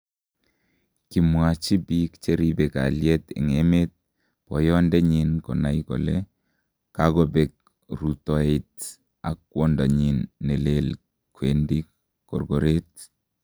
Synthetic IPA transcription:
ki˨mwa˨t͡ʃi˦bikt͡ʃe˦ɾibeka̰˨ljɛ˦tḛ˨ŋemet̚ | pɔ˨jɔ˦ndɛ˦ɲinkɔ˨na˨˦ikɔ̰˨lɛ | kaɡɔ˦be˨k̚ | ɾutɔ˨et̚ | a̰˨k̚ːwɔ˦nda˨ɲi˨nːɛ˨lel | kwendi˦ | kɔ̰˨rɡɔ˨ɾe˦t̚

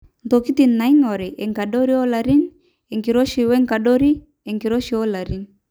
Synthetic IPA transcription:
ntoki˦ti˨nːa˨iŋɔ˨ɾɛ˨ʔɛ˨ŋka˨ɗo˦ɾi˦ɔ˦la˨ɾi˦n | ɛ˨ŋki˨ɾo˦ʃi˨wɛ˦ŋka˨ɗɔ˦ɾi˦ | ɛ˨ŋki˨ɾɔ˦ʃi˨ɔ˦la˨ɾi˦n

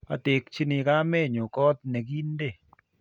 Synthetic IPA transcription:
a̰˨te˨kt͡ʃi˦ni˧ka˦me˦˨ɲo˨kɔ˦t̪̚ne˨ɡi˦n˦de˦˨

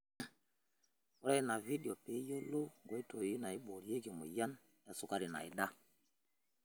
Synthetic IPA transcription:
u˨˦ɾa˦i˨na˨vi˦di˨o˨pe˨˦jo˦lo˦ŋɡo˨˦i˦to˨ji˦na˨i˦ɓo˨ɾi˨˦e˦ɡi˨mṵ˨ja˦n | ja˨su˨ka˦ɾi˨na̰˨ḭ˨ɗa˦

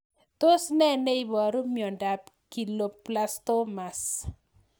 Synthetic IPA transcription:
t̪o˦snɛ˦nɛ˦i˦bɔ˨ɾo˦mjɔ˨nda˨p | ki˨lo˨pla˦st̪o˦ma˨s

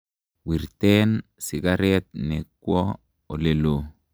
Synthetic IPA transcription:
wi˨ɾtɛnsi˨ɡaɾɛt̪̚nekːwɔ˦ | o˨le˨lo

